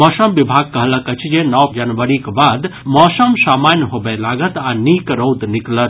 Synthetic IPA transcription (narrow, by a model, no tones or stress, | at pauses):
mɔːsəmʋɪbʱaːɡ̚kɐɦlɐkɐt͡ʃʰid͡ʒenɔwd͡ʒɐnʋəɾikbaːd̪mɔːsəmsaːmaːnjɦobelaːɡət̪aniːkɾoːd̪nɪklət̪